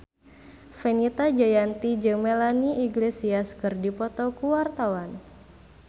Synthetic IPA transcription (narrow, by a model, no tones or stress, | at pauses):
fɛnit̪ad͡ʒajant̪id͡ʒəŋmɛlaniiɡlesiaskɨrdipɔt̪ɔkuwart̪awan